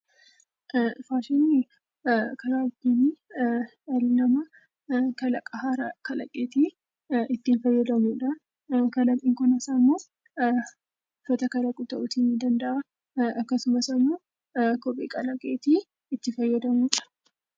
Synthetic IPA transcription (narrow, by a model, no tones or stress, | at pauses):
faːʃɪnːɪ | kɐɾaːɪt̪ːini | ɐlɪnɐmɐ | kɐlɐkʼɐhaɾɐkɐlɐ̰kʼeːt̪i | ɪt̪ːiːnfɐjːɐd̪ɐmuːᶑɐ | kɐlɐkʼːɪːŋkɔnɐsamːoː | ʊfɐt̪ɐkɐlɐkʼut̪ɐʔʊt̪inːɪd̪ɐnd̪ɐʔa | ɐkːɐsʊmɐsɐmːoː | kɔpʼeːkʼɐlɐkʼeːt̪iː | ɪt̪ːɪfɐjːɐd̪ɐmuːᶑɐ̥